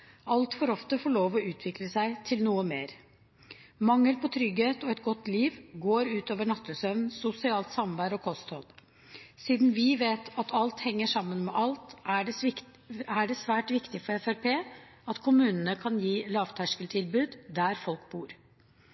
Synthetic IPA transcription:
ɑlt̪fɔɾɔft̪əfɔɭoːʋɔʉːt̪ʰʋɪkləsæɪt̪ʰɪlnuːəmeːɾ | mɑŋːəlpʰɔt̪ʰɾʏɡheːt̪ɔɛt̪ɡɔt̪ːliːʋɡoːɾʉːt̪oːʋəɳɑt̪ʰːəsœʋnsʊsɪɑːlt̪sɑmbæːɾɔkʰɔst̪hɔl | siːd̪n̩ʋɪʋeːt̪ɑt̪ʰɑlt̪hɛŋːəʂɑmːənmɛʔɑlt̪æ | æɖɛsʋæːʈʋɪkt̪ɪfɔɾɛfæɾpʰeː | ɑt̪kʰʊmʉːnənəkʰɑnjiːlɑːʋt̪ʰæʂkəlt̪ʰɪlbʉːd̪d̪æɾfɔlk̚buːɾ

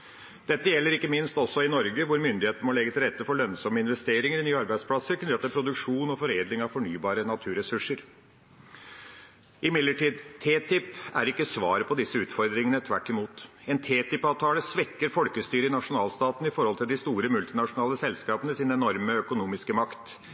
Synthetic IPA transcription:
d̪̥ɛt̪ːəjɛlːəɾɪkːəmɪnst̪ɔsɔɪnɔɾɡəʋʊɾmʏnd̪ɪheːt̪nəmɔlɛɡət̪ɪlɾɛt̪ːəfɔɭœnsɔmːəɪnʋɛst̪eːɾɪŋəɾɪnyːɑɾbæɪspʰlɑsəɾkʰnt̪ːəpʰɾʊd̪ʉkʂuːnɔfɔɾeːd̪lɪŋɑʋfɔɳyːbɑːɾənɑt̪ʰʉːɾɛsʉʂəɾ | ʔɪmɪd̪ləʈiːd̪t̪ʰeːt̪ɪpæ̰ɾɪkːəsʋɑːɾəpʰɔd̪ɪsːəʉːt̪fɔɾd̪ɾɪŋənət̪ʰʋæʈːɪmuːt̪ | ɛnt̪ʰeːt̪ɪpɑːʋt̪ʰɑːləsʋɛkːəɾfɔlkəst̪yːɾəɪnɑʂʊnɑːlst̪ɑːt̪nəɪfɔɾhɔlt̪ʰɪld̪ɪst̪uːɾəmʉlt̪ɪnɑʂʊnɑːləsɛlskɑːpənəsɪnɛnɔɾməœkʊnuːmɪskəmɑkt̪

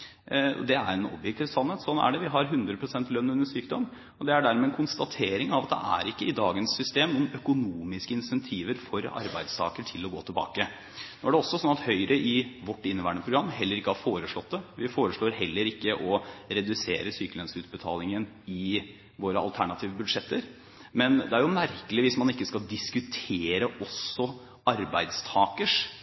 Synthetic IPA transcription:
ɔ̰d̪ɛæɾɛnɔ̰bjɛk̚t̪ʰiːʋsɑnheːt̪sɔnːæ̰ɖɛʋɪɦɑɾɦʉnd̪ɾəpʰɾʊsɛnt̪lœnːʉnːəʂyːkd̪ɔmː | ɔd̪ɛæɖæɾmɛnkʰʊnst̪ɑt̪ʰeːɾɪŋɑʋɑt̪d̪ɛ̰ʔæ̰ɾɪkːəɪd̪ɑːɡənsːʏst̪eːmnuːənœkʊnuːmɪskəɪnsɛnt̪ʰiːʋəɾfɔɾɑ̰ɾbæɪd̪st̪ʰɑ̰ːkəʈʰɪlːɔɡoːt̪ʰɪlbɑ̰ːkə | noːæɖɛɔsːɔsɔnːɑt̪hœʏɾʔəʔɪʋɔʈːɪnːəʋæːɳəpʰɾʊɡɾɑmːhɛlːəɾɪkːəhɑɾfoːɾəʂɭɔt̪̚ːd̪ɛʋɪfoːɾəʂlɭoːɾɦɛlːəɾɪkːəʔɔɾɛd̪ʉsḛːɾəsyːkəlœnsʉːt̪̚bət̪ʰɑ̰ːlɪŋən | ɪ | ʋoːɾəɑ̰lt̪ʰæɳɑt̪ʰiːʋəbʉd̪ʂɛt̪ːəɾ | mɛnd̪ɛæɾjʊmæɾkəlɪʋɪsmɑnɪkːəskɑld̪ɪskʉt̪ʰeːɾəʔɔsːɔ | ɑɾbæɪd̪st̪ʰɑːkəʂ

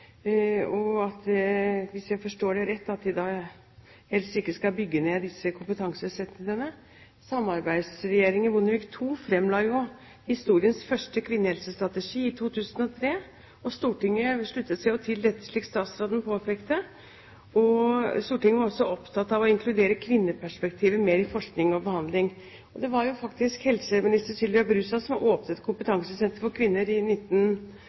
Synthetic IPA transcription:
ɔɑt̪ʋɪsjæɪfɔʂʈoːɖɛɾɛt̪ːɑt̪̚d̪ɪd̪ɑː | hɛlst̪ɪkːəskɑlbʏɡːəneːd̪ɪsːəkʰʊmpət̪ʰɑŋsəsɛt̪ɪŋənə | sɑmːɑɾbæɪd̪sɾɛjeːɾɪŋɪbʊnːəʋɪkt̪ʰuːfɾɛmːlɑːjʊ | hɪst̪uːɾɪənsfœʂʈəkʰʋɪnːəhɛlsəst̪ɾɑt̪əʂiːɪt̪ʰuːt̪ʰʉːsənɔt̪ʰɾeː | ɔst̪uːʈɪŋːəʂɭʉt̪ːət̪sæɪɔt̪ʰɪld̪ɛt̪ːə̥ʂɭiːk̪st̪ɑːt̪sɾoːd̪npʰoːfʰekt̪ə | ɔst̪uːʈɪŋːəʋɑɾɔsːɔɔpt̪ʰɑt̪ːɑʋɔɪŋkʰlʉd̪eːɾəkʰʋɪnːəpʰæʂpɛk̚t̪ʰiːʋəmeːɾɪfɔʂknɪŋɔbəhɑnd̪lɪŋ | ɔd̪ɛʋɑɾjʊfɑkt̪ɪskhɛlsəmɪnɪst̪əɾsʏləɑbɾʉsɑsɔmʔoːpnəɛt̪kʰʊmpət̪ʰɑŋsəsɛnt̪əɾfɔɾkʰʋɪnːəɾɪnɪt̪ːən

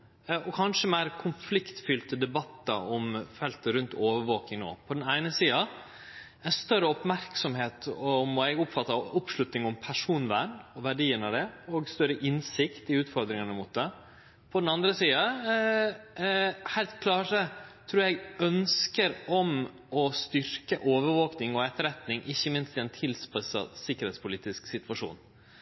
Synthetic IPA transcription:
ʔɔkʰɑnʂəmæɪɾkʰʊnflɪkt̪fʏlt̪əd̪ɛbɑt̪ːə̰ɔmfɛlt̪ɾʉnt̪ʰoːʋəɾʋoːk̪ɪŋno̰ːpʰɔd̪ɛnæɪnəsiːɑ | ɛɪst̪œɾəɔpmæɾksɔmheːt̪ɔmɛɡʊpfɑt̪ːəɔpʂɭʉt̪nɪŋɔmpʰæʂuːnʋæ̰ːɳɔʋæɖiːənɑd̪ɛɔɡst̪œɾəʔɪnsɪkt̪ɪʉːt̪fɔɾd̪ɾɪŋɑnəmʊt̪̚d̪ɛ | pʰɔd̪ɛnɑnd̪ɾəsiːɑ | hæɪlt̪kʰlɑːʈət̪ʰɾuːɛɡœnskəɾɔm | ɔst̪ʏɾkəʔoːʋəɾʋoːknɪŋɔɛt̪ːəɾɛt̪nɪŋʔɪçːəmɪnst̪ɪɛnt̪ʰɪlspɛsɑ̰sɪkːəɾheːt̪spʰʊliːt̪ɪsksɪt̪ʋɑʂṵːn

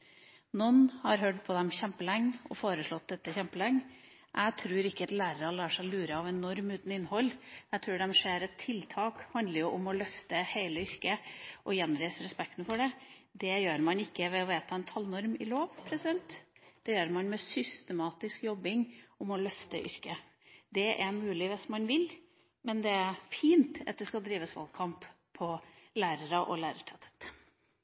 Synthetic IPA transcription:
nɔnhɑɾɦœɖpʰɔd̪ɛmçɛmpəlɛŋːɔ̰foːɾəʂɭɔt̪̚d̪ɛt̪ːəçɛmpəlɛŋː | ʔæt̪ʰɾuːɾɪkːəɑt̪læːɾəɾɑlɑːʂæɪlʉːɾəɑʋɛnɔɾmʉːt̪n̩ɪnːhɔlːæt̪ʰɾuːɖɛmʂeːɾɛt̪ʰːɪlt̪ʰɑːkhɑnd̪ləɾjʊʔʊmɔlœft̪əheɪləʏɾkəʔɔjɛnːɾesəɾɛspɛk̚t̪nəfɔɖɛ | d̪ɛjøːɾmɑnɪkːəʋɛɔʋeːt̪ʰɑɛnt̪ʰɑlnɔɾmɪloːʋpʰɾɛsɪd̪ɛnt̪d̪̥ɛjøːɾmɑnmɛsʏst̪ɛmɑːt̪ɪskjɔbːɪŋɔmɔlœft̪ə̰ʔʏ̰ɾkə | d̪ɛʔæɾmʉːlɪʋɪsmɑnʋɪl | mɛnd̪ɛæɾfiːnt̪ɑ̰t̪̚d̪ɛskɑd̪ɾiːʋəsʋɑ̰lkʰɑmpʰː | ɔlæːɾəɾɑʔɔ̰læːɾəʈʰɛt̪ʰə̥t̪

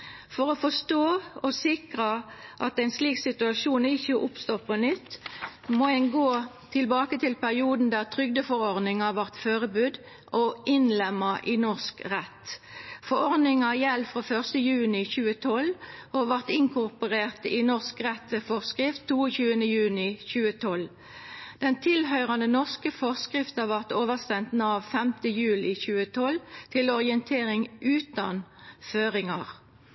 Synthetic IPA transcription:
fɔʁɔfɔst̪oːɔsɪkʁəʔɑt̪ɛɪnsliːksɪt̪ʉɑʃuːnɪçəʔʊpst̪oːpʰɔnɪt̪ːmoɛnɡoː | t̪ʰɪlbɑːkət̪ɪlpæʁɪuːd̪n̩d̪æːʁt̪ʰʁʏɡ̚d̪əfɔʁɔʁd̪nɪŋɑʋæʁt̪føːʁəbʉːd̪ | ʔɔʔɪnlɛmːɑʔɪnɔʁskʁɛt̪ːfɔɾɔʁd̪nɪŋɑjɛlfɾoːfœʁst̪əjʉːnɪçʉːət̪ʰɔloːʋæʁt̪ɪŋkʰʊʁpʊʁeːʁt̪ɪnɔskʁɛt̪ːʋeːfɔʁskʁɪft̪ʰːuːəçʉːənəjʉːnɪçʉːət̪ʰɔl | d̪̥ɛnt̪ʰɪlhœʏʁɑnənɔʁskəfɔʁskʁɪft̪ɑʋæʁt̪oːʋəstɛnt̪nɑːʋfɛmt̪əjʉːlɪçʉːət̪ʰɔlt̪ʰɪlɔʁɪənt̪ʰeːʁɪŋʔʉːt̪ɑnføːʁɪŋɑʁ

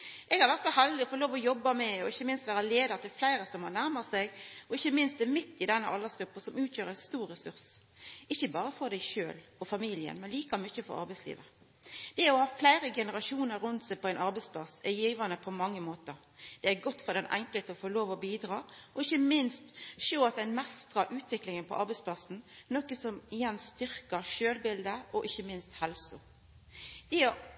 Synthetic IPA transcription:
ʔɛɡhɑɾʋæɾt̪sɔhæld̪ɪɔfoloːʋɔjɔbːɑmɛɔɪçːəmɪnst̪ʋæːɾɑleːd̪ət̪ʰɪlflæɪɾəsɔmhɑɾnæɾmɑsɛɡɔɪçːəmɪnst̪d̪ɛmɪt̪ːɪd̪ɛnːəʔɑlːəsɡ̥ɾʉpːɑsɔmʉːt̪ʰjøːɾəɛst̪uːɾɾɛsʉɾs | ɪçːəbɑːɾəfɔɾd̪æɪʃø̰ːlɔfɑmiːlɪə̰nmɛnliːkɑmʏçəfɔ̰ɾɑ̰ɾbæɪslḭːʋə | d̪̥ɛæɾɔhɑːflæɪɾəɡɛnəɾɑʃuːnəɾʉnt̪sɛɪpʰɔæɪnɑɾbɛɪspʰlɑsɛjiːʋənəpʰɔmɑŋːəmoːt̪əɾ | d̪̥ɛæɡɔt̪ːfɔɾd̪ɛnʔæ̰ŋkəlt̪əɔfoːloːʋɔbiːd̪ɾɑːɔɪçːəmɪnst̪ʃoːɑt̪̚d̪æɪnmɛst̪ʁɑʔʉːt̪ʋɪklɪŋənpʰɔ̰ʔɑɾbɛɪtspʰlɑsn̩nɔkəsɔmɪjɛnːst̪ʏɾkəɾʃøːlbɪld̪əɔʔɪçːəmɪnst̪hɛlsʊ | d̪̥ɛɔ

